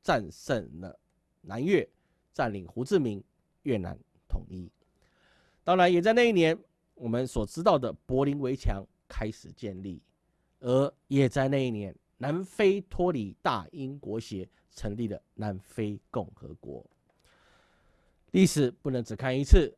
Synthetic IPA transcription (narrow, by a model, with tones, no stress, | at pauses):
t͡sa˥˧nʂə˥˩nlə̰˩ | na˧˦nɥɛ˥˩ | t͡sa˥˩nli˨˩ŋxu˧˥t͡sɹ̩˥˩mi˧˥ŋ | ɥɛ˥˩na̰˧˥n | t̪ʰʊ̰˨˩ŋi˥ | t̪ɑ˥ŋɻa˧˦njɛ˨˩t͡sa˥˧ɪna˥˧i˥˩njɛ˧˦n | wɔ˨˩mə˦nswɔ˨˩ʈ͡ʂɻ̩˥t̪ɑ˥˩ʊd̪ə˩pwɔ˧˥li˧˥nwe˧˥ɪt͡ɕʰjɑ˧˥ŋ | kʰa˥ɪʂɻ̩˨˩t͡ɕjɛ˥˧nlḭ˥˩ | ə˧˥jɛ˨˩t͡sa˥˧ɪna˥˧i˥˩njɛ˧˦nːa˧˥nfe˥ɪt̪ʰwɔ˥li˨˩t̪a̰˥˩i˦nkwɔ˧˥ɕjɛ˧˥ | ʈ͡ʂʰə˧˥ŋli˥˩d̪ə̰˩na˧˥nfe˥ɪkʊ˥˩ŋxɤ̰˧˦kwɔ̰˧˥˦ | li˥˩ʂɻ̩˨˩pu˥˩nə˧˥ŋt͡sɹ̩˨˩kʰa˥˩ni˧˥t͡s̩ʰ˥˩